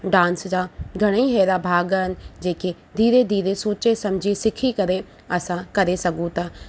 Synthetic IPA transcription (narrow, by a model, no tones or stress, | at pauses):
ɖãːnsd͡ʑaːɡʱɐɽ̃iɦɛːɾabʱaːɡənɪ̆d͡ʑeːke | d̪ʱiːɾed̪ʱiːɾesoːt͡ɕesɐ̃md͡ʑʱisɪkʰikɐɾe | ɐsãkɐɾesɐɡũt̪ɐ